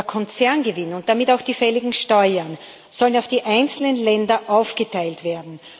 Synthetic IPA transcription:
kʰɔnt͡sɛɐnɡəvɪnʊnt̚d̥amɪtaʊxd̥iːfɛlɪɡŋ̩ʃtɔʏɐn | z̥ɔlənaʊfd̥iːʔaɪnt͡sl̩ənlɛndɐʔaʊfɡ̥ətʰaɪltv̥eːɐdn̩

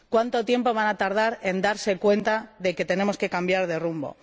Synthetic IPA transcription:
kwant̪o̞t̪je̞mpo̞β̞anat̪aɾð̞aɾe̞nd̪aɾse̞kwe̞nt̪aðe̞ke̞t̪e̞ne̞mo̞ske̞kambjaɾðe̞rumbo̞̰

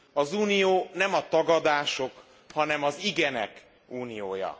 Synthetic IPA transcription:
ɒzuːnijoːnɛmɒt̪ɒɡɒd̪aːʃo̞k | hɒnɛmɒziɡɛnɛ̰k | uːnijoːjɒ̰

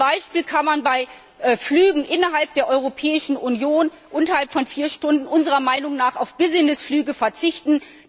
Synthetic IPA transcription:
aɪʃpiːlkʰanmanbaɪ | ʔːflyːɡŋ̩ʔɪnɐɦalp̚d̥eːɐʔɔʏʁ̞opʰɛːɪʃn̩unjoːn | ʔʊntɐhalpfɔnfiːɐʃtʊndn̩ʔʊnzəʁɐmaɪnʊŋnaːχaʊfb̥ɪzɪnəsflyːɡəfɛɐt͡sɪçtn̩

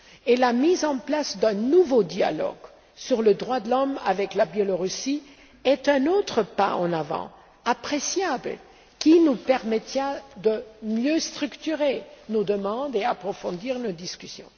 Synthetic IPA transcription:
elamizɑ̃plasd̪ɛ̃nuvod̪ja̰lɔ̰ɡ | syʁləd̪ʁwad̪əlɔmavɛklabjɛlɔʁysi | ɛt̪ɛ̃not̪χəpa̰ɑ̰̃navɑ̰̃ | apχesjabl | kʲinupɛʁmɛt̪ad̪əmjøst̪χykt̪yʁenod̪əmɑ̃d̪eapχɔfɔ̃d̪iːʁnod̪iskʲysjɔ̰̃

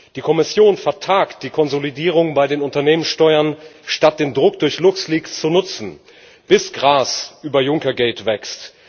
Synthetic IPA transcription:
d̥iːkʰɔmɪsjoːnfɛɐtʰaːkt̚d̥iːkʰɔnzolidiːʁ̞ʊŋbaɪdeːnʊntɐneːmənsʃtɔʏɐnʃtat̚d̥eːndʁʊk̚d̥ʊɐçlʊksliːkst͡sunʊt͡sn̩ | b̥ɪsɡ̥ʁaːsʔyːbɐjʊŋkɐɡɛːtv̥ɛkst

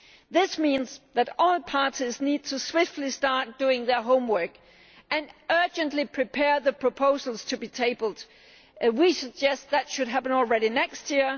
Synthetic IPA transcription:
ðɪsmĩnzðɨɾɔlˠpʰɑɹɾiznid̚tʰɨswɪftˡlistɑɹt̚d̥uɪ̃ŋðə˞ɦõʊ̃mwɜ˞k | ɨ̃nɜ˞d͡ʒɨ̃nʔlipʰɹ̥ipʰɛɹðəpʰɹ̥əpʰoʊzl̩ˠz̥tʰɨbitʰeɪbl̩ˠd̥ | wisɨɡ̚d͡ʒɛst̪̚ðætʃɨd̚ɦæpə̃nɔl̩ˠɹɛɾinɛkst̚jɪɹ

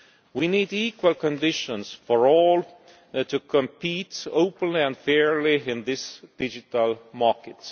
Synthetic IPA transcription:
winiːdikwəlkə̃ndɪʃə̃nsfəɹɔːl | tʰɨkʰə̃mpʰiːtoʊpə̃nliæ̃ndfɛɹliɪ̃nðɪsd̥ɪd͡ʒɪtəlmɑɹkɨt

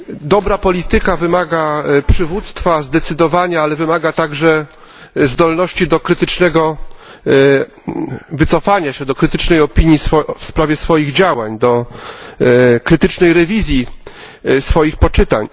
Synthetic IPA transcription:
d̪ɔbɾapɔlʲit̪ɘkavɘmaɡapʂɘvut̪st̪fazd̪ɛt̪sɘd̪ɔvaɲaalɛvɘmaɡat̪aɡʐɛ | zd̪ɔlnɔɕt͡ɕid̪ɔkɾɘt̪ɘt͡ʂnɛɡɔ | vɘt̪sɔfaɲaɕɛd̪ɔkɾɘt̪ɘt͡ʂnɛjɔpʲiɲjisɔfspɾavʲjɛsfɔjiɣd͡ʑawaɲd̪ɔ | kɾɘt̪ɘt͡ʂnɛjɾɛvʲizʲji | sfɔjixpɔt͡ʂɘt̪a̰ɲ

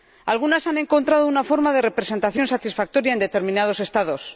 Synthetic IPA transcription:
alɣ̞unasanẽ̞ŋko̞nt̪ɾað̞ounafo̞ɾmaðe̞re̞pɾe̞sent̪aθjo̞nsat̪isfak̚t̪o̞ɾjae̞nd̪e̞t̪e̞ɾmĩnað̞o̞se̞st̪aðo̞s

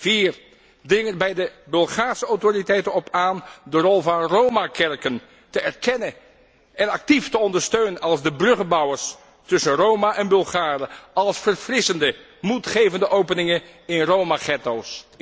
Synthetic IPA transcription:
v̥iːr | drɪŋənbɛjdəbɵlˠχaːɹsəawtoritɛjtənɔpaːndərɔlˠvɑnrowmakɛɹkən | təɛɹkɛnə | ɛnɑk̚tiftəɔndəɹstøɥnənɑlˠzdəbrɵχəbɑwəɹs | tɵsənrowmaʔɛnbɵlˠχaːrəɑlˠsfərfrɪsəndə | mutχejvəndəʔowpənɪŋənɪnrowmaχɛtows

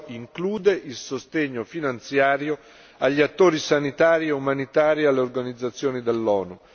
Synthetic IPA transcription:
iŋkluːd̪eʔilsost̪eɲːofinant̪sjaːɾjo | aʎːiat̪ːoːɾisanit̪aːɾiɛumanit̪aːɾialːeorɡanid̪zːat̪sːjoːnid̪elːɔːnu

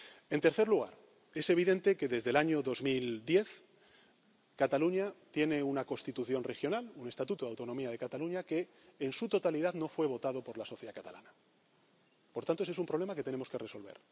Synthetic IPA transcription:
e̞nt̪e̞ɾθeɾluɣ̞a̰ɾ | e̞se̞βiðẽ̞nt̪e̞ke̞ðe̞zðe̞laɲo̞ðo̞zmild̪je̞θ | kat̪aluɲat̪je̞ne̞unako̞st̪it̪uθjo̞nre̞xjo̞nalune̞st̪at̪ut̪oðawt̪o̞no̞miað̞e̞kat̪aluɲake̞ː | nsut̪o̞t̪alið̞aðno̞fwe̞β̞o̞t̪að̞o̞po̞ɾlaso̞θjeakat̪a̰la̰na | poɾt̪ant̪oes̬esumpɾo̞β̞le̞make̞t̪ene̞mo̞ske̞re̞so̞lβe̞̰ɾ

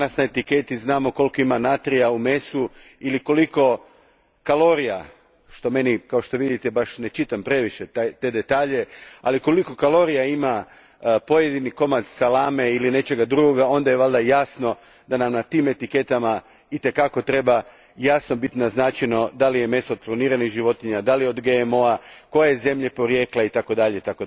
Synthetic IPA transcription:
nasnaet̪ike̞t̪iznaːmo̞ko̞lˠko̞imanat̪ɾijaume̞suiliko̞liko̞ | kalˠo̞ɾija | ʃt̪o̞me̞nikao̞ʃt̪o̞ʋid̪it̪ebaʃne̞t͡ʃit̪ampɾe̞ʋiʃet̪at̪e̞d̪e̞t̪aːʎe̞a̰liko̞liko̞kalo̞ɾijaima | po̞je̞d̪iniko̞mat̪salaːme̞iline̞t͡ʃe̞ɡad̪ɾuɡoɡao̞nd̪ajeʋalˠd̪ajaːsno̞ | d̪anamnat̪iːme̞t̪ike̞t̪ama | it̪e̞kako̞t̪ɾe̞ba | jasno̞bit̪naznat͡ʃeno̞d̪alije̞me̞st̪od̪plˠaniːɾanixʒiʋo̞t̪iɲad̪alijo̞d̪ɡe̞emo̞ako̞jeze̞mʎe̞po̞ɾje̞ːkleit̪ako̞d̪aʎeit̪ako

